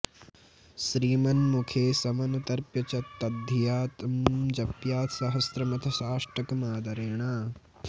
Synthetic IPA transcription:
ʃɾiːmɐnmukʰeːsɐmɐnut̪ɐɾpjɐt͡ʃɐt̪ːɐd̪ʱɐjaːt̪ɐmd͡ʒɐpjaːt̪sɐɦɐsɾɐmɐt̪ʰɐʃaːʂʈɐkɐmaːd̪ɐɾeːɳaː

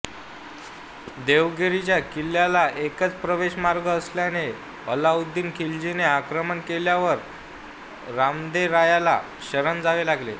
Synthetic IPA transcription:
d̪eʋɡeɾit͡ɕjakilːjalaʔekət͡spɾəʋeɕmaɾɡəːsljane | əlaud̪ːiːnkʰild͡ʑineakɾəmənkeljaʋəɾ | ɾamd̪eɾajala̰ | ɕəɾənd͡zaʋelaɡlḛ

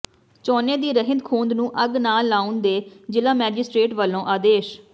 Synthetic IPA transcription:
t͡ʃɔːnẽːd̪iːɾəɦɪ̃nd̪kʰũːnd̪nũːʔəɡnaːlaːʊ̃nd̪eːd͡ʒɪlãːmɛːd͡ʒɪsʈɾeːʈʋəlːõːʔaːd̪eːʃ

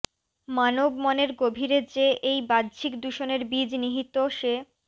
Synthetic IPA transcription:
manobmɔneɾɡobʱiɾed͡ʑeʔejbad̪d͡ʑʰʱikd̪uʃoneɾbid͡ʑniɦit̪oʃe

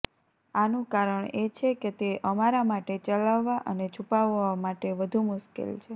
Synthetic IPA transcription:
anũkaɾəɳet͡ʃʰeket̪eʔəmaɾamaʈet͡ʃəlaʋːaʔənet͡ʃʰupaʋamaʈeʋəd̪ʱumʊʃkḛlt͡ʃʰe

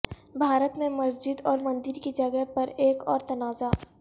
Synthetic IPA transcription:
bʱaːɾət̪mẽmɐsd͡ʒɪd̪ɔːɾmɐ̃nd̪ɪɾkid͡ʒɐɡəɦpɐɾeːkɔːɾt̪ɐnaːza

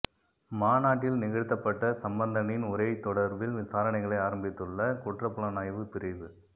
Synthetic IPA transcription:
maːnaːʈːɪlnɪɣɐɽɯt̪ːɐpːɐʈːɐsɐmbɐnd̪ɐnɪnʊɾɐɪt̪ːɔɽɐɾbɪlʋɪsaːɾɐɳɐɪɣɐɭɐɪaːɾɐmbɪt̪ːɯɭːɐkʊʈrɐpːɯɭɐnaːjʋɯpɪɾɐɪʋɯ

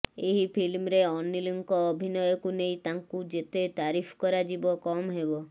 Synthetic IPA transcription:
eɦipʰilmɾeɔnːiliŋkɔːbʱinɔjɔkunejt̪aŋkud͡ʒet̪et̪aɾipʰkɔɾad͡ʒibɔkɔmɦebɔ

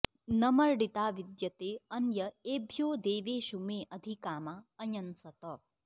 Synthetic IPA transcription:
nɐmɐɾɖit̪aːʋid̪jɐt̪eːɐnjɐeːbʱjoːd̪eːʋeːʃumeːʔɐd̪ʱikaːmaɐjɐnsɐt̪ɐ

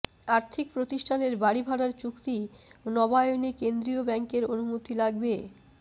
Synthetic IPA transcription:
aɾt̪ʰik̚pɾot̪iʃʈʰaneɾbaɽibʱaɽaɾt͡ɕukt̪inɔbajonikend̪ɾiobɛŋkeɾonumot̪ilaɡbe

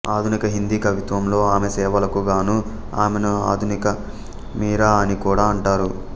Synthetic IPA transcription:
aːd̪ʱunikɐɦind̪iːkɐʋit̪ʋɐmlo̞ːaːmesɛːʋɐlɐkuɡaːnu | aːmenɐa̰ːd̪ʱunikɐ | miːɾaːɐnikuːɽaːɐɳʈaːɾu

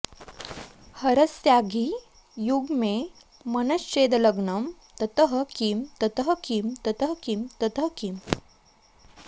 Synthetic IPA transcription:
həɾəsjaɡʱi | juɡme | mənəst͡ɕed̪ələɡnəmt̪ɐt̪əɦəkimt̪ət̪əɦəkimt̪ɐt̪əɦkimt̪ət̪ɦkim

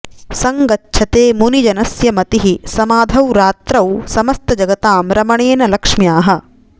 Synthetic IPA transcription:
sɐŋɡɐtːʃʰɐt̪eːmunid͡ʒɐnɐsjɐmɐt̪iɦisɐmaːd̪ʱɐwɾaːt̪ɾɐwsɐmɐst̪ɐd͡ʒɐɡɐt̪aːmɾɐmɐɳeːnɐlɐkʂmjaːɦɐ̆

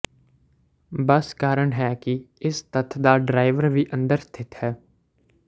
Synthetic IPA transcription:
bəskaːɾəɽɦɛːki | ɪst̪ət̪ʰd̪aːɖɾaːɪʋəɾʋʱiʔə̃nd̪əɾst̪ʰɪt̪hɛː

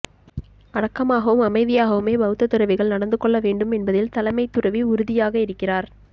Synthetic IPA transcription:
ʔɐɽɐkːɐmaːɣɐʋɯmɐmɐɪðɪjaːɣɐʋɯmeːbɐɣɯt̪ːɐt̪ːɯɾɐʋɪɣɐɭnɐɽɐnd̪ɯkːɔɭːɐʋeːɳɖɯmɛnbɐðɪlt̪ɐlɐmɐɪt̪ːʊrɐʋiʊɾʊðɪjaːɣɐɪɾɯkːɪraːɾ

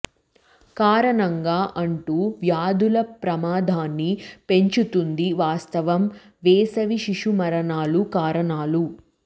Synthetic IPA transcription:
kaːɾɐɳɐŋɡaːʔɐɳʈuːʋjaːd̪ulɐpɾɐmaːd̪ʱaːnːipe̞ɲt͡ʃut̪und̪iʋaːst̪ɐʋɐm | ʋeːsɐʋiʃiʂumɐɾɐɳaːlukaːɾɐɳaːlu

